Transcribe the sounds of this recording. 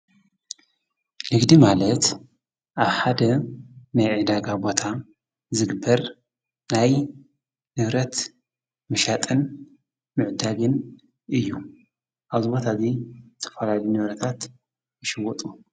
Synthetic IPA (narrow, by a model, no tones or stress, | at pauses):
nɨɡd̪imalɐt̪ | ʔaβħad̪ɐnajʕɨd̪aɡabo̞t̪ʰa | zɨɡɨbːɐɾ | naj | nɨβɾɐt̪ | mɨʃat̪ʼɨn | mɨʕd̪aɡɨn | ʔɨjːu | ʔaβzɨbo̞t̪ʰazizɨt̪ʰɐ̥fɐlalijnɨβɾɐt̪ʰat̪ | ɨʃɨwɔt̪ʼu